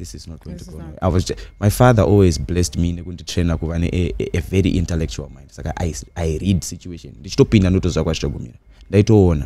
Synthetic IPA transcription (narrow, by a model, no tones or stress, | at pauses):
ðisiznotwentiɡonwḛʔa̰wat͡ʃmajfaðaʔolwizblestmine̞kunditrenakuʋanḛʔːveɾiʔintelek̚t͡ʃua̰lˠmaj̃ndsaka̰ʔa̰iairidsit͡ʃueʃo̰nndit͡ʃi̥to̞pindanoutoziʋakwatit͡ʃaɡʱumḭra | ndaito̞ːna